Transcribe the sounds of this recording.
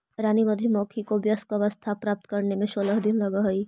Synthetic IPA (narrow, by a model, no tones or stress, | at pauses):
ɪɾaːnimɐd̪ʱimɔːkʰikobjəskaʋəst̪ʰapɾaːp̚t̪kɐɾnemẽsoːləɦd̪ɪnlɐɡaɦɐiː